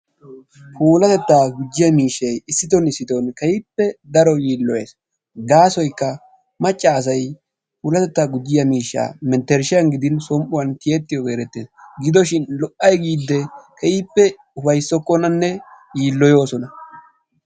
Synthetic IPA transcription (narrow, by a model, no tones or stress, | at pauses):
pʰuːlɐt̪ɛt̪ːaːɡʊd͡ʒːɪjɐmiːʃːɐjɪsːɪt̪ɔnɪsːɪt̪ɔnkɐjɪpːɛd̪ɐɾɔjiːlːɔjeːs | ɡaːsɔjkːɐ | mɐt͡ʃʼːaːs̬ɐj | puːlɐt̪ɛt̪ːaːɡʊd͡ʒːɪjɐmiːʃːa̰ːmɛnt̪ːɛɾʃɪjɐnɡɪd̪ɪnsɔmʔʊwɐnt̪ɪjɛt̪ːɪjɔɡe̞ːɾɛt̪ːeːsɡɪd̪ɔʃɪnlɔʔʔːɐjɡiːd̪ːɛkɐjɪpːɛ | ʊfɐjsɔkːɔnɐnːɛjiːlːɔjo̞ːsɔnɐ